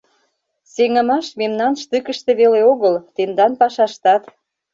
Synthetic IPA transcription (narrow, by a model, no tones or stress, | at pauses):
seŋə̆mɑʃmemnɑnʃt̪ykə̆ʃt̪ĕβeleoɣəlt̪end̪ɑnpɑʃɑʃt̪ɑt̪